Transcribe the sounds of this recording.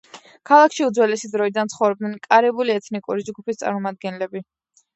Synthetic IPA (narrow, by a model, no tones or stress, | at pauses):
kʰalˠakʰʃiud̪zwɛlɛsid̪ɾɔid̪ant̪sʰχɔvɾɔb̚d̪nɛnkʼaɾɛbuliɛt̪ʰnikʼuɾid͡ʒɡupʰist̪sʼa̰ɾmɔmad̪̚ɡɛnlɛbi